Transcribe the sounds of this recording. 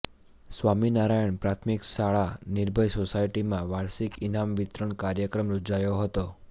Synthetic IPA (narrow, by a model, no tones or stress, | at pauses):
sʋaminaɾajəɳpɾat̪ʰmikʃaɭanɪɾbʱəjsosajʈimãʋaɾsikinamʋɪt̪ɾəɳkaɾjəkɾəmɾod͡ʒajoɦət̪o